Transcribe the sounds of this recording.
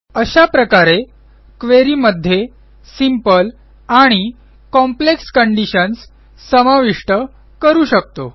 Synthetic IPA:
əɕapɾəkaɾe | kʋeɾiːməd̪ʱːje | simpəl | aɽ̃i | kɔmplekskəɳɖiɕənsː | əmaʋiʂʈə | kəɾuːɕək̚t̪o

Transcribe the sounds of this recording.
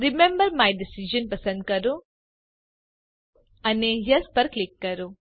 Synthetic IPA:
ɾimẽmbɐɾmajɖisid͡ʒɐ̃npɐsɐ̃ɳɖ̚kɐɾu | ɐneɦjɐspɐɾklikːɐɾu

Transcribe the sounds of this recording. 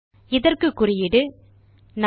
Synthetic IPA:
ɪðɐrkɯkːʊrɪjɪɽɯ | n

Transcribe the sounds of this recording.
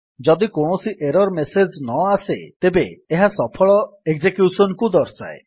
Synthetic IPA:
d͡ʒɔd̪ikoɳ̃osiʔeɾɔɾmesed͡ʒnɔasḛt̪ebeːɦasɔpʰɔɭɔekd͡ʒekjusɔnkud̪ɔɾsa̰e

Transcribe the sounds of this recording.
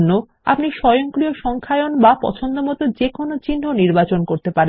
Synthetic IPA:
nːo | a̰pniʃɔjoŋkɾioʃɔŋkʰaeonbapɔ̰t͡ɕʰond̪omɔt̪od͡ʑekonot͡ɕinːoniɾbat͡ɕonkoɾt̪epaɾe

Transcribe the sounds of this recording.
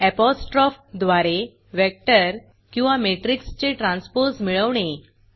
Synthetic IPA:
ɛpɔsʈɾɔfd̪ʋaɾe | ʋɛk̚ʈəɾ | kĩw̃ʋameʈɾikst͡ɕeʈɾãnspoɾsmiɭəʋɳe

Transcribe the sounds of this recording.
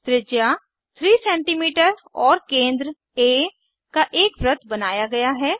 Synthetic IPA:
t̪ɾɪd͡ʒja | t̪ʰɾiːsɛ̃ːɳʈiːmiːʈəɾɔːɾkẽːnd̪ɾə | eː | kaʔeːkbɾət̪ʰbɐnaːjaɡɐjaɦɛː

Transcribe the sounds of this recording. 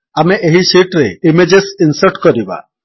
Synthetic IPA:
ameʔeɦisiʈɾeimed͡ʒesinsəɾʈkɔɾiba̰

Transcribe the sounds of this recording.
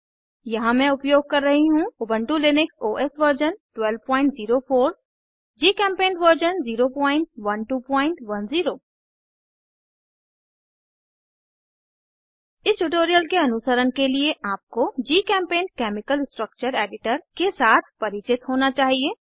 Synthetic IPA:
jɐɦãmɛ̃ʊpjoːɡ̚kɐɾːɐɦiɦũʊbə̃ɳʈũlɪnɪksoːʔɛsʋəɾd͡ʒənʈwɛlʋpɔ̃ːɪ̃ɳʈziːɾofʰoːɾ | d͡ʒiːkɛ̃ːmpẽːnʋəɾd͡ʒənziːɾopɔ̃ːɪ̃ɳʈʋɐnʈuːpɔ̃ːɪ̃ɳʈʋɐnziːɾoː | ɪsʈuʈ̬oːɾijəlkeɐnʊsəɾənkelieʔaːp̚kod͡ʒiːkɛ̃ːmpẽːnkɛːmɪkəlsʈɾək̚t͡ʃəɾeːɖɪʈəɾkesaːt̪ʰpɐɾɪt͡ʃɪt̪ɦoːnat͡ʃaːɦieː

